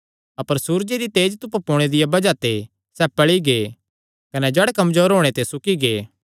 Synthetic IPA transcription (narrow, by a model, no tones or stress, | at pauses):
ɐpəɾsuːɾd͡ʒeɾit̪eːd͡ʒt̪ʊppoːɽ̃ed̪ɪjabɐd͡ʒat̪e | sɛpɐɭiɡeː | kɐnɛd͡ʒɛːɽekɐmzoːɾɦoːɽ̃et̪esʊkiɡeː